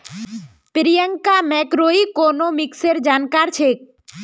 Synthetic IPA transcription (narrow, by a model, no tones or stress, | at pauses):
pɪɾɪjəŋkamɛːkɾoːikoːnoːmɪkseɾd͡ʒaːnkaːɾt͡ʃʰek̚